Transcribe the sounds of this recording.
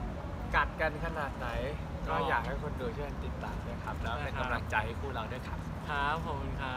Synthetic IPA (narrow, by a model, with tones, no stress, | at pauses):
ka˨˩t̪̚ka˧nkʰa˧naː˨˩t̪̚na˩˦j | kɔː˥˩jaː˨˩k̚ha˥˩jkʰo˧ndu˧t̪ʰi˥˩a˧nt̪i˨˩t̪ːaː˨˩mna˥˩kʰɾa˦˥p̚lɛː˦wpe˧nka˧mla˨˩ŋt͡ɕa˧jha˥˩jkʰuː˥˩ɾa˧˩du˥˩jkʰa˦˥p̚kʰɾa˦˥pʰːo˨˩knkʰa˦˥